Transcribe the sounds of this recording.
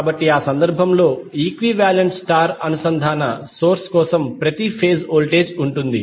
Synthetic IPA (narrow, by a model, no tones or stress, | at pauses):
aːbɐʈːiaːsɐnd̪ɐɾbʱɐmlo̞ːiːkʋiʋjaːlɐɳʈsʈaːɾɐnusɐnd̪ʱaːnɐso̞ːɾskɔːsɐmpɾɐt̪ipʰe̞ːzoːlʈe̞ːd͡ʒuɳʈund̪i